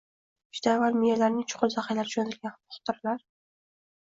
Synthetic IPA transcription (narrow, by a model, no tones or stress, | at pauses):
d͡ʒʊd̪avalmijalaɾnɪŋt͡ʃʰʊ̥qʊɾzaqajlaɾɪd͡ʒʰonat̪ʰɪlɡʲanχʊ̥χt̪ʰʊɾɪlaɾ